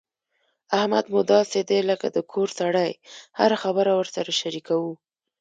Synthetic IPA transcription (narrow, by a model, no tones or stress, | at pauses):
ahmad̪mʊd̪ɑsed̪eləkad̪əkʰoɾsaɽajha̰ɾaxabəɾawəɾsaɾaʃaɾikawu